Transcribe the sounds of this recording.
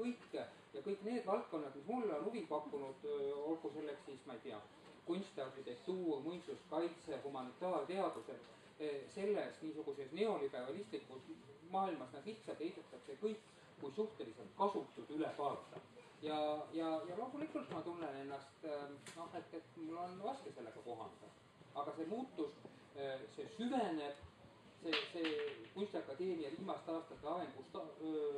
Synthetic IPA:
kɤjkː | jɑkɤjkːˑne̞ːd̪̥vɑlt̪̚ko̞nːɑd̪mismulːonuvipɑkːunud̪̥o̞lɡuse̞lːekssiːsmɑeijt̪eɑ | kunʲst̪ɑɑk̪it̪est̪uːmujnsuskɑjt̪sehumɑnit̪ːˑɑːrt̪e̞ɑd̪̥use̞l | se̞lːesniːsuɡ̥usesneo̞lipæːvɑlist̪likːusmɑːilmɑsnɑɡ̥iht̪sɑd̪ejt̪et̪ːˑɑkse̞kɤjkː | kujsuht̪e̞liselt̪̚kɑsut̪ːˑud̪ylepɑːlt̪ːˑɑ | jɑjɑjɑloːmulikːult̪mɑt̪unːene̞nːɑst̪no̞he̞t̪ːe̞t̪mulːo̞nvɑskese̞lːe̞ɡ̥ɑko̞ɦɑ̰nd̪̥ɑ̰ | ɑɡ̥ɑse̞muːt̪ːus | se̞syvene̞b̥ | seseːkujst̪ɑkːɑd̪e̞ːmiɑviːmɑst̪ɑːst̪ɑt̪ːeɑveŋɡust̪ɑ

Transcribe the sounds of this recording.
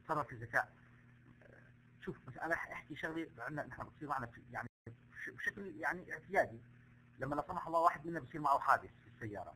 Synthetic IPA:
sɑrˤːɑɾfizːaka̰ːʔ | ʃuːfmasalʔanaħʔaħkiʃaɣliʕɪnːaʔɪnːɪħnabɪnt̪sˤiːɾmaʕnafijaʕni | ʃbʃakljaʕniʔɪʕt̪ɪjaːd̪i | lamːʔlasˤɑmɑħɑlˤːɑːwaːħɪd̪mɪnːabisˤiːɾmaʕuħaːd̪ɪθfisːajːɑ̰ːɾˤɑ̰

